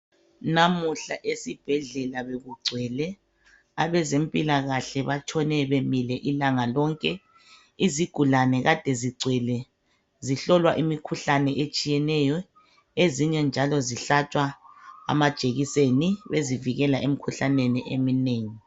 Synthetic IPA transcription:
namuɬaʔesib̥ʱɛɮɛlaβeɣuɡ͡ǀʱwɛlɛ | aβɛzempʼilaɣaɬɛβat͡ʃʰʼɔnɛβemilɛʔilaŋalɔŋkʼɛ | iziɡ̥ʱulanɛɣad̥ʱɛziɡ͡ǀʱwɛlɛ | ziɬɔlwaʔimikʰuɬanɛʔet͡ʃʼijɛnɛjɔ | eziɲɛnd͡ʒʱalɔziɬatʰʼwaa̰mad̥ʒ̥ʱeɣiseniβeziviɣɛlaʔemikʰuɬaneniʔemineːŋi

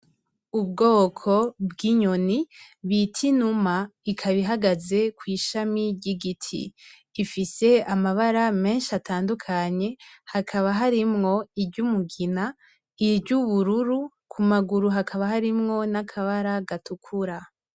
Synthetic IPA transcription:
ub̚ɡo̞ːkʰo̞bɡiɲo̞niβitʰinumaikʰaβiɦaɡaze̞kwiːʃamiɾɟiɡitʰḭː | fise̞amaβaɾame̞ːnʃiatʰaːndukʰaɲe̞hakʰaβaɦaɾimŋo̞iɾɟumuɡina | iɾɟuβuɾuɾu | kʰumaɡuɾuɦakʰaβaɦaɾimŋo̞nakʰaβaɾaɡatukʰuɾa

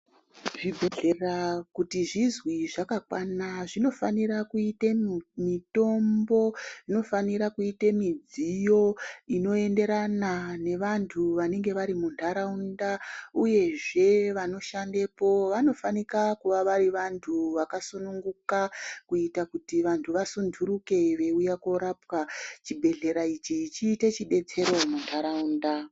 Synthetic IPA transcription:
ʐibʱeɮerakutiʐizwiʐakakwanaʐino̞faniɾakuitemito̞mbo̞ino̞faniɾakuitemid͡zijo̞ino̞e̞nde̞ɾanane̞ʋantʰuʋane̞ŋɡe̞ʋaɾimuntʰaɾaundauje̞ʐe̞ʋano̞ʃandepo̞ʋano̞fanikakuʋaʋariʋantʰuʋakasunuŋɡukakuitakutiʋantʰuʋasundʰuɾuke̞ʋe̞ujakoɾapwat͡ʃibʱe̞ɮe̞ɾait͡ʃit͡ʃiːte̞t͡ʃiɓe̞t͡se̞ɾo̞muntʰaɾaunda

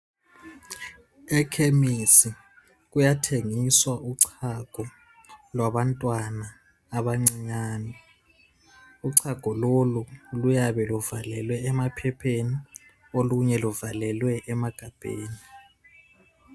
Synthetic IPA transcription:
ɛkʰemisi | k̬ujatʰeŋiswaʔuǀʰaɡ̥ʱɔ | lwaɓantʼwanaː | ɓaŋ͡ǀiɲaːnɛ | uǀʰaɡ̥ʱɔlolulujaβɛluvalɛlwɛːmapʰɛpʰeni | oluɲɛluvalɛlwɛʔːmaɡ̥ʱab̥ʱḛːni

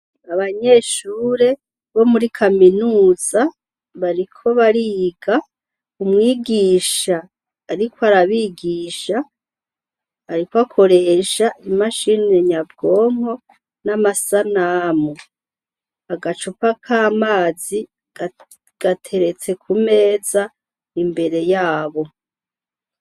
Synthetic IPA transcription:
aβaɲe̞ʃuːɾe̞ | βo̞muɾikʰaminuːz̥a | βaɾikʰo̞βaɾiːɡa | umŋiːɡiːʃaː | ɾikʰwoaɾaβiːɡiːʃa | ɾikwakʰo̞ɾe̞ːʃaʔimaʃineɲabɡo̞ːŋ̥ho̞ | namasanamu | aɡat͡ʃupakʰaːmaːzi̥ | ɡ̥atʰe̞ɾe̞t͡se̞kʰume̞ːza | imbe̞ɾe̞jaːβo̞

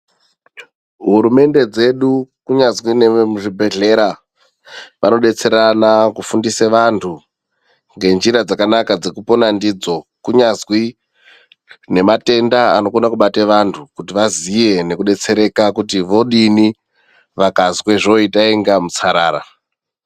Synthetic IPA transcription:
ɦuɾume̞nde̞d͡ze̞ɗukuɲazwinemuʐibʱe̞ɮe̞ɾa | ʋano̞ɗe̞t͡se̞ɾanakufundiseʋantʰu | ŋɡe̞nd͡ʒiɾad͡zakanakad͡ze̞kupo̞nandiːd͡zo̞kuɲazwi | ne̞mate̞ndaano̞konakuɓateʋantʰukutiʋazije̞ne̞kuɗe̞t͡se̞ɾe̞kakutiʋo̞ɗini | ʋakazwe̞ʐo̞itaeŋɡamut͡saɾaːɾa

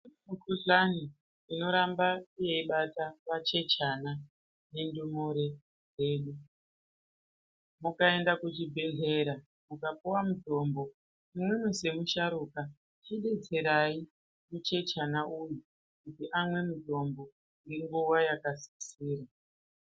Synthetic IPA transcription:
mukuɮaniː | no̞ɾambaije̞iɓatapat͡ʃe̞t͡ʃana | ne̞ndumoɾe̞ | eːɗu | mukae̞ndakut͡ʃibʱe̞ɮe̞ɾa | mukapuwamudʱo̞ːmbo̞ | imwemuse̞muʃaɾuka | t͡ʃiɗe̞t͡se̞ɾai | mut͡ʃe̞t͡ʃanaʔuju | kutiʔamwe̞mudʱo̞mbo̞ | ŋɡeŋɡuwajakasi̥siːɾa

